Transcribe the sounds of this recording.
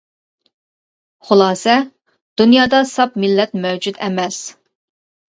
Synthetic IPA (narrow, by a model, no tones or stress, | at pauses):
χʊlˠɑːsɛ | d̪̥unjɑːd̪ɑsɑpmɪlːɛt̪mɛwd͡ʒud̪ɛmɛs